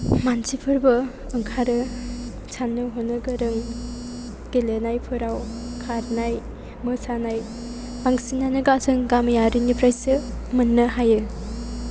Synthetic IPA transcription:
mansʰipʰɯɾbɯ | ɯŋkʰaɾɯ | t͡ʃʰanːɯɦonːɯɡɯɾɯŋ | ɡ̥elenajpʰɯɾawkʰaɾnaj | mɯsanaj | baŋsinanɯɡasɯŋɡamjaɾinipʰɾajsɯmɯnːɯɦajɯ

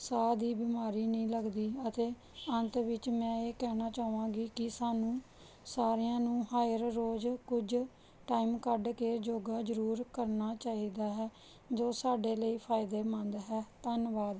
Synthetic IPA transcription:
saːd̪iːbɪmaːɾiːnəĩːləɡd̪iːət̪eː | ənt̪ʋɪt͡ʃmɛ̃ːeːkɛːnaːt͡ʃaːuʋãːɡiːkɪsaːnũː | saːɾejãːnũːɦaːəɾɾoːd͡ʒkʊd͡ʒ | ʈaːimkəɖkeːd͡ʒoːɡaːd͡ʒəɾuːɾkəɾnaːt͡ʃaːiːd̪aːɦɛː | d͡ʒoːsaːɖeːləiːpʰaːɪd̪eːmənd̪ɦɛːt̪ənʋaːd̪

